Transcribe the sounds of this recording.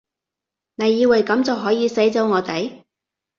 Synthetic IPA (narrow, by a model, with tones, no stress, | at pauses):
ne˨˧jːiː˧wɐ˨jkɐ˨˥mt͡sɐ˨wɦɔː˨˥jiː˨˧se˨˥jt͡so˨˥wŋɔː˨˧t̪e˨˧j